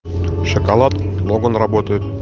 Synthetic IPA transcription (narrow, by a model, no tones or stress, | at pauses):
ɕŏkɑlˠɑt̪lˠoɡonrɐbot̪əjt̪